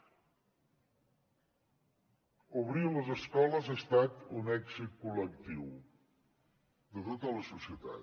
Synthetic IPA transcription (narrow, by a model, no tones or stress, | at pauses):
uβ̞ɾiwləzəskɔləzəst̪at̪unɛɡzit̪̚kulək̚t̪iw | d̪ət̪ot̪ələsusiət̪a̰